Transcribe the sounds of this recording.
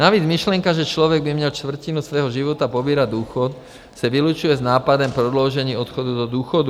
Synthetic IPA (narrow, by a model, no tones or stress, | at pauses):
naʋiːd͡zmiʃlɛŋkaʒɛt͡ʃlɔʋɛɡbimɲɛlʃt̪vr̩cinusʋɛːɦɔʒiʋɔt̪apɔbiːɾaɟd̪uːxɔt̪ | saʋilut͡ʃujɛznaːpad̪ɔmpɾɔd̪lɔʊʒɛɲiːɔt̪xɔd̪ud̪ɔd̪uːxɔd̪u